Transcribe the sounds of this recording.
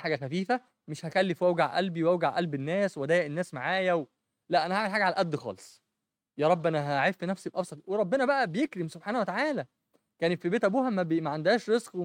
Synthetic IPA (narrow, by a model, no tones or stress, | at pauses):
ħaːɡæxæfiːfæ | meʃhæxælːefwæwɡaʕʔælbiwæwɡaʕʔælbenːæːswæd̪æːjæʔenːæːsmaʕaːjæw | læʔænæhaʕmelħaːɡæʕalælʔæd̪ːxɑ̰ːlesˤ | jæːɾˤɑbːʔænæɦæʕefːinæfsibʔɑbsˤɑt̪ˤweɾˤɑbːenæbæʔæbejekɾemsob̥ħaːnæhwet̪aʕaːlæ | kæːnet̪fibeːt̪ʔæbuːhæmæmæʕand̪æːʃɾezqw